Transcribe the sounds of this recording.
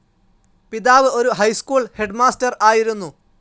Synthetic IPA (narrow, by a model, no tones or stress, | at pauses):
piðaːʋɨo̞ɾuɦɐjskuːɭhe̞ɖmaːstɐraːjiɾunːu